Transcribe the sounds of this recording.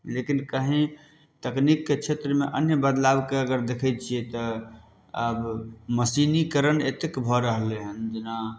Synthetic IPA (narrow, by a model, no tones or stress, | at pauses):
lekinkəɦĩ | t̪əknikːet͡ʃʰet̪ɾəmeʔənjəbəd̪labkeəɡəɾd̪ekʰɛt͡ʃʰijɛt̪ɔ | əbməsinikəɾənet̪ekbʱɔɾəɦleɦənd͡ʒena